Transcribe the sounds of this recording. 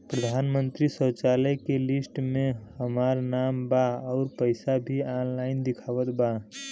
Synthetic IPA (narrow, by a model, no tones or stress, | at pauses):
pɾəd̪ʱanmənt̪ɾisət͡ʃaləjkelisʈmẽhəmaɾnambaɔʊɾpəɪsabʱianlaɪnd̪ɪkʰaʋət̪ba